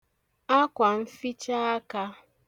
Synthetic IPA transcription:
a˦kʷa˨m̩˦fi˦t͡ʃa˦a˦ka˦

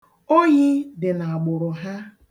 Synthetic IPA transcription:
o˦ɲi˦dɪ˨na˨a˨ɡ͡bʊ˨ɾʊ˨ɦa˦

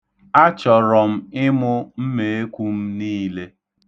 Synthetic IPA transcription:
a˦t͡ʃɔ˨ɾɔ˨m̩˦ɪ˦mʊ˦m̩˦me˨e˦kʷu˦m̩˦niː˦le˦

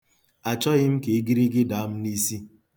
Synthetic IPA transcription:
a˨t͡ʃɔ˦ɣɪ˦m̩˦ke˨˦ɡi˦ɾi˦ɡɪ˦da˨˦m̩˦ni˦si˦

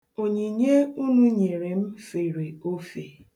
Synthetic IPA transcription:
o˨ɲe˨ɲe˦u˦nu˦ɲe˨ɾe˨m̩˦fe˨ɾe˨o˦fe˨

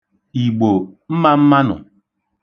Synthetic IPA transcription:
i˨ɡ͡bo˨m̩˦ma˦m̩˦ma˦nʊ̰˨

